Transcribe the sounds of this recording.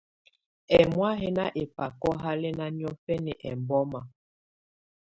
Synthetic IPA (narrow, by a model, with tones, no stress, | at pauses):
ɛ˨mwa˦ɦɛ˦na˦ʔe˨pa˨kɔ˦ɦa˦le˦na˦njɔ˦fɛ˦nɛ˨ʔɛ̰˨mbɔ˦ma˨